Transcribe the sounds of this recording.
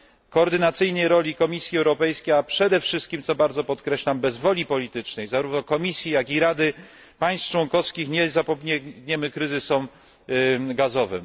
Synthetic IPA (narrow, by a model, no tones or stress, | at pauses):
kɔːɾd̪ɘnat̪sɘjnəjɾɔlʲikɔmʲisʲjiɛwɾɔpɛjskʲejapʂɛd̪ɛfʂɘst̪kʲimt̪sɔbaɾd̪zɔpɔt̪kɾɛɕlambɛzvɔlʲipɔlʲit̪ɘt͡ʂnɛjzaɾuvnɔkɔmʲisʲjijakʲiɾad̪ɘ | paj̃st̪ft͡ʂwɔŋkɔfskʲixɲɛzapɔbɲɛɡɲɛmɘkɾɘzɘsɔm | ɡazɔvɘ̰m